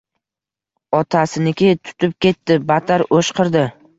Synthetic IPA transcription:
ɒt̪ʰasɪnɪkʲɪt̪ʰʊ̥t̪ʰɪp̚kʲe̞t̪ːɪbat̪ʰaɾoʃqʰɨɾd̪ɪ

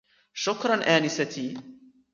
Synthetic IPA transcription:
ʃʊkɾˤɑnʔaːnɪsat̪iː

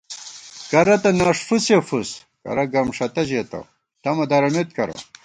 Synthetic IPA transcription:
kɐɾɐt̪ɐnaːʂfusefus | kɐ̰ɾɐɡɐmʂɐt̪ɐʑet̪ɐ̰ | t̪ɐmɐd̪ɐɾɐmet̪̚kɐɾɐ̰

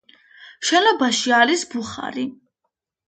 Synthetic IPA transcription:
ʃɛnɔbaʃiaɾisbuχa̰ɾi

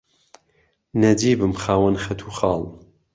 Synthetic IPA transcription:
nɐd͡ʒiːbɨmxaːwɐnxɐt̪ʰuːxɑːlˠ

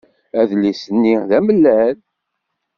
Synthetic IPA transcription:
æðlisənːiðæməlːæl

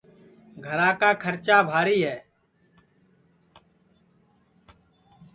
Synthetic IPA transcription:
ɡʱəɾãːkaːkʰəɾt͡ʃaːbʱaːɾiːɦɛː

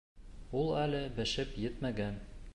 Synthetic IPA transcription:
ulˠælɘbɘ̆ʃɘpjɘt̪mæɡæn

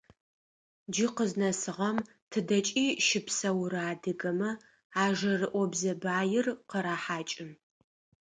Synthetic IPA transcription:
d͡ʒiqəznɐsɨʁɐm | tʰɨdɐt͡ʃʼiːʃɪpsɐwɾaːdɨɡɐmɐ | aːʒɐrɨʔʷɔbzɐbaːjɪrqəɾaːħaːt͡ʃʼɪm

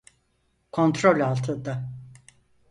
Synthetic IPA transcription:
kʰo̞nt̪ɾolʲalˠt̪ʰɯd̪a

